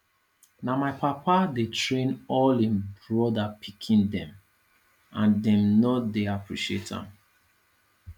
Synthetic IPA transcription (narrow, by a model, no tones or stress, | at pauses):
namaɪpʰapadetʰɹẽnɔlĩnbɹɔdapʰikʰĩndɛ̃m | ãndɛ̃mnɔtdeapɹḭʃietã̰m